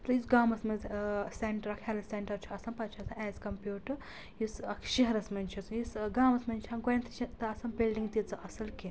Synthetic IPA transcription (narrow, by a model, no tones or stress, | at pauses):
t̪ɐjisɡaːmɐsmɐzseɳʈɐɾɐkʰeːlɐseɳʈɐɾt͡ʃʰiɐsɐnpɐt͡ʃʰiɐsɐɛːzkɐmpjuːʈɨ | jisɐkʰʃiɦɐɾɐsmɐnʲt͡ʃʰisjisɡaːmɐsmɐnt͡ʃʰɐnɡojɐnt̪ʰit͡ʃʰit̪ɐɐsɐnbilɖiŋɡt̪it͡sɨʔɐsɐlki